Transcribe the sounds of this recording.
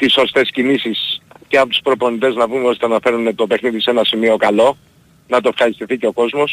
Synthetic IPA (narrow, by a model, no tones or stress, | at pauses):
t̪iso̞st̪e̞scinisisceɐpot̪u̥spɾo̞po̞nit̪e̞znɐvumeo̞st̪eɐnɐfe̞ɾunet̪o̞pe̞xniðise̞nɐsimio̞kɐlo̞ | nɐt̪oefxɐɾist̪iθice̞o̞ko̞zmo̞s